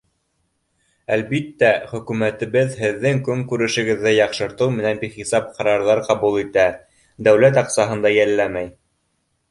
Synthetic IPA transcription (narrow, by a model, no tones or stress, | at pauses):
ælβit̪ːæχɵ̆kʉmæt̪ɘ̆βɘðhɘ̆ðːɘŋkɵŋkʉɾɘ̆ʃɘ̆ɡɘ̆ðːɘjɑqʃɤ̆ɾt̪ɤwmɘ̆nænbiχisɑp̚qʰɑɾɑɾðɑɾqɑβulˠit̪æ | d̪æwlæt̪ɑqsɑɦɤ̆nd̪ɑjælːæmæj